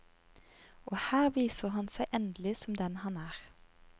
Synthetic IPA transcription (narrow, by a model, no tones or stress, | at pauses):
ʔoːhæːʁʋiːsəʁhɑnsæɪʔɛnd̪əlɪsɔmd̪ɛnhɑnæːʁ